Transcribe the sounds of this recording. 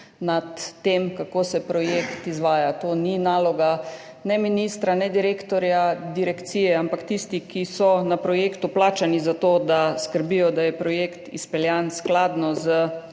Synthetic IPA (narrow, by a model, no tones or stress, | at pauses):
nat̪ːemkakoːsɛpɾɔjekt̪izʋaːjat̪oːninaːlɔɡa | nɛminist̪ɾanɛd̪iɾekt̪ɔɾjad̪iɾɛkt̪sijɛampakt̪ist̪ikisɔnapɾɔjeːkt̪ʊplaːt͡ʃanizat̪oːd̪askəɾbijɔd̪ajɛpɾɔjekt̪ḭspɛljansklad̪nɔzə